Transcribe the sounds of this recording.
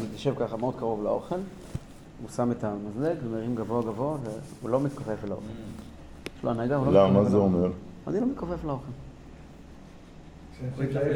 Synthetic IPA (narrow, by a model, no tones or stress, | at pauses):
it̪jaʃevkaχameod̪̚kaʁo̞vlao̞χe̞l | usame̞tamazlekvemeʁimɡavoaɡavo̞aveulo̞mit̪kofeflao̞̰χel | jeʃloanaɡahulolamazeomeʁa̰nilomit̪kofeflao̞χel